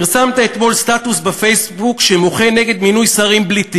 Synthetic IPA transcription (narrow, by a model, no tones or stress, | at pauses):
ʁsamt̪aet̪mo̞lst̪at̪usbefe̞jsbukʃemo̞χe̞ne̞ɡe̞d̪minujsaʁimblit̪i